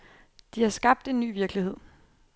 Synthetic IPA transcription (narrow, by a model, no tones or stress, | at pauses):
d̥ihɑ̈sɡ̥ɑ̈b̥̚d̥e̝nːy̰ːʋiɐɡ̥lihe̝ð̞̰ˠ